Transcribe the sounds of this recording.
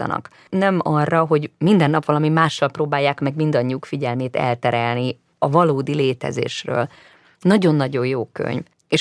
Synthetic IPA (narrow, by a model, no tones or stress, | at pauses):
ɒ̰nɒ̰k | nɛmɒrːɒɦo̞ɟmind̪ɛnːɒpʋɒlɒmimaːʃːɒlproːbaːjːaːkmɛɡmind̪ɒɲːiuːkfiɟɛlmeːt̪ɛ̰lt̪ɛɾɛlni | ɒvɒloːd̪ileːt̪ɛ̰zḛːʃrø̰ːl | nɒɟo̞nːɒɟo̞jjoːkø̰ɲv | eʃ